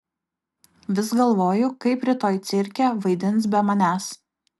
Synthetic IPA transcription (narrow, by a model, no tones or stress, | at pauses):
ʋʲɪsɡɐlˠʋoːjʊkɐɪpɾʲɪt̪oːjt̪sʲɪɾʲkʲɛʋɐɪd̪ʲɪnt̪sbʲɛmɐnʲæːs